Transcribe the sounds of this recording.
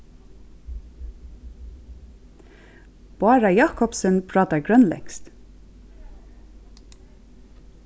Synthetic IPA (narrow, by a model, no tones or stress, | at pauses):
b̥ɑːɹajɑːkɔpsənpʰɹɑːt̪aɹɡɹœnlɛ̰ŋst̪